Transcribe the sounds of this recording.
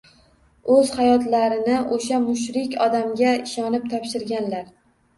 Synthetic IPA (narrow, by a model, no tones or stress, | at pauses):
ɵz̥hajɒt̪laɾɪnɪʔoʃamʊʃɾɪkʲɒd̪amɡʲaɪʃɒnɪp̚t̪ʰɒpʃɪɾɡʲanlaɾ